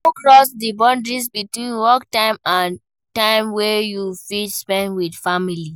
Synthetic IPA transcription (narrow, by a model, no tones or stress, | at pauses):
okɹɔsdibɔ̃ndɹis̬bitwĩnwɔktãɪ̃mãn | tãɪ̃mwɛjufispɛ̃ndwidfamili